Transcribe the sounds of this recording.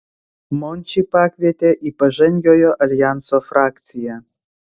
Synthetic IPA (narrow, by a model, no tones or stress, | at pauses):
monʲt͡ɕipakvʲet̪ʲeʔipəʒenʲjʲojoʔalʲjansofrakt̪t͡sija